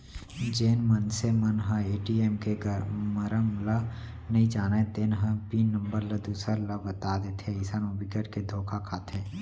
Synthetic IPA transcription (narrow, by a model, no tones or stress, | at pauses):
d͡ʒeːnmənsemənɦə̃eːʈieːmkeɡəməɾəmlə | nɐɦĩd͡ʒaːnet̪eːnɦə̃piːnːə̃mbəɾləd̪uːsəɾləbət̪aːd̪eːt̪ʰeɪsənobʱɪkəʈked̪ʱoːkʰakʰaːt̪ʰeː